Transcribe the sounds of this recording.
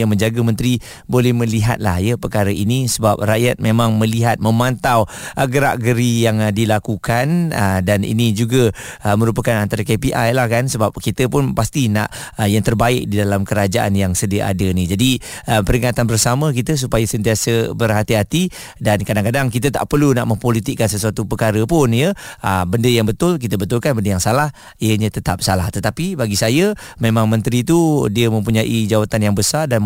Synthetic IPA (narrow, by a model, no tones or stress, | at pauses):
jaŋmə̃ɲd͡ʒaɡəmə̃nt̪ɾi | bolɛhmə̃liɦa̰t̪̚la̰hjəpəkaɾəʔinisəbap̚raʔjat̪̚mẽmãŋmə̃liɦat̪̚mə̃mant̪awʔəɡəɾa̰ʔɡəɾijaŋdilakukanədanḭnid͡ʒuɡəəmə̃ɾupəkanant̪aɾakepiʔajlahkansəbap̚kit̪əpʊnpast̪ina̰ʔ | jaŋt̪ərbaɪk̚didalamkəɾad͡ʒaʔa̰njaŋsədiəʔa̰dənid͡ʒadiəpəɾiŋat̪anbərsamə̃k̬it̪əs̬upajasənt̪iasəbərɦat̪iɦat̪i | dankadaŋkadaŋkit̪ət̪a̰ʔpərluna̰ʔməmpolit̪ikːansəsuat̪upəkaɾəpʊnjəəbəndəjaŋbət̪ʊlk̬it̪əbət̪ʊlkanbəndəjaŋsalah | ijəɲət̪ət̪ap̚salaht̪ət̪apibaɡisajəmẽmãŋmə̃nt̪ɾit̪udiəmə̃mpuɲaʔid͡ʒawat̪anjaŋbəsardan